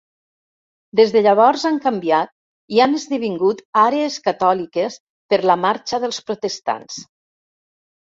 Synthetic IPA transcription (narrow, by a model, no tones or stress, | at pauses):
d̪ezðəʎəβ̞ɔɾzaŋkəmbiat̪̚ | ianəzðəβ̞iŋɡut̪aɾeeskat̪ɔlikəs | pəɾləmaɾt͡ʃəðəlˠspɾot̪əst̪a̰ns